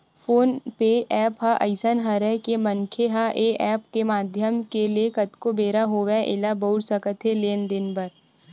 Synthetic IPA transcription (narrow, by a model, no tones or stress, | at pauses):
fʰoːnpeʔɛːpɦaʔɐ̰ɪsənɦɐɾəkeməŋkʰeɦaʔeːʔɛːp̚kemaːd̪ʱjəmkeliekɐt̪kobeːɾaɦoːʋeʔɪ̰labəʊʈsəkət̪ɦeleːnd̪ɪnbəɾ